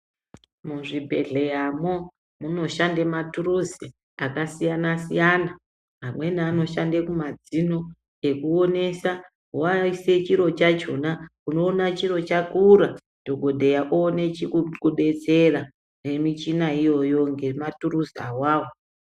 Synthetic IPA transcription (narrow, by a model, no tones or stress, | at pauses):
muʐibʱe̞̰ɮe̞jamo | muno̞ʃandematuɾuzi | akasijanasijana | ɦamwe̞niano̞ʃandekumad͡zino̞ | e̞kuo̞ne̞sa | waise̞t͡ʃiɾo̞t͡ʃat͡ʃo̞nauno̞ːnat͡ʃiɾo̞t͡ʃakuɾa | d̥ʱo̞ɡʱo̞dʱejaʔoːne̞t͡ʃikukuɗe̞t͡sera | nemit͡ʃinaijo̞jo̞ŋɡe̞maturuzawaːwo